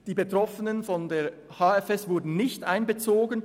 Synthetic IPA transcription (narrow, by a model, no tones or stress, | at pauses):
d̥iːbetʁ̥ɔfənənfɔndeːɐ | hɑːɛfɛsv̥ʊɐdn̩nɪçtʔaɪnbət͡soːɡən